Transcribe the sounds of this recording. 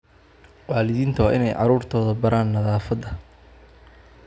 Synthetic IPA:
waːlɪðiːnt̪ʰɐwɑ̰ʔɪnɛjʕɑ̰ɾuːrt̪ʰɔːðɐbɐɾaːnːɐðaːfɐd̪ɐ

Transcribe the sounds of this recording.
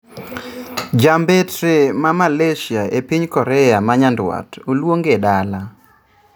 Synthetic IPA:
d͡ʒambetɾemamaleʃjaepiɲkɔɾɛjamaɲandwa̰tolwoŋɡedala

